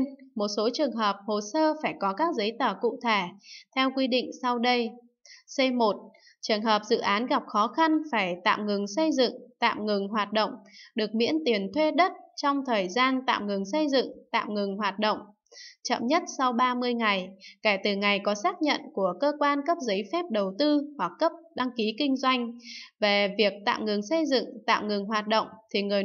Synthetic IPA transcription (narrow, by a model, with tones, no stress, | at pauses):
nmo˨˩t̚so˨˦t͡ɕɨ˨˩əŋɦəː˨˩p̚ho˨˩səː˧faː˧˩jkɔ˨˦kaː˦˥k̚zə˨˦jt̪əː˧˩kṵ˧˨t̪ʰe˧˩t̪ʰɛ˧wkwi˧ɗḭ˧˨ŋ̟sa˧wɗə˧j | se˧mo˨˩t̚ | t͡ɕɨ˨˩əŋɦəː˨˩p̚zɨ̰˧˨ʔaː˨˦nɣa˨˩p̚xɔ˨˦xa˧nfaː˧˩jt̪a̰ː˧˨mŋɨ˨˩ŋsə˧jzɨ̰˧˨ŋt̪a̰ː˧˨mŋɨ˨˩ŋɦwaː˨˩t̚ɗə̰˧˨wŋ͡mɗɨ˨˩ək̚mḭ˧˥ənt̪i˨˩ənt̪ʰwe˧ɗə˦˥t̚t͡ɕɔ˧wŋ͡mt̪ʰəː˨˩jzaː˧nt̪a̰ː˧˨mŋɨ˨˩ŋsə˧jzɨ̰˧˨ŋt̪a̰ː˧˨mŋɨ˨˩ŋɦwaː˨˩t̚ɗo̰˧˨wŋ͡m | t͡ɕə̰˧˨mɲə˦˥t̚sa˧wɓaː˧mɨ˧əjŋa˨˩jkɛː˧˩t̪ɨ˨˩ŋa˨˩jkɔ˨˦saː˦˥k̚ɲə̰˧˨nku˧˩əkəː˧kwaː˧nkə˦˥p̚zə˨˦jfɛ˦˥p̚ɗə˨˩wt̪ɨ˧hwa˨˩kːə˦˥p̚ɗa˧ŋki˨˦kï˧ŋ̟zwa˧jŋ̟ve˨˩vi˨˩ək̚t̪a̰ː˧˨mŋɨ˨˩ŋsə˧jzɨ̰˧˨ŋt̪a̰ː˧˨mŋɨ˨˩ŋɦwaː˨˩t̚ɗə̰˧˨wŋ͡mt̪ʰi˨˩ŋɨ˨˩əj